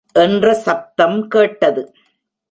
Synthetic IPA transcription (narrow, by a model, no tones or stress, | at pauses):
ʔɛndrɐsɐp̚t̪ɐmkeːʈːɐðɯ